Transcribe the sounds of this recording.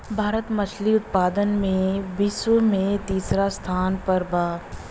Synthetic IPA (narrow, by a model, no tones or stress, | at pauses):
bʱaːɾət̪mɐt͡ʃʰliʊt̪̚paːd̪ənmẽbɪswəmẽt̪iːsɾast̪ʰaːnpɐɾbaː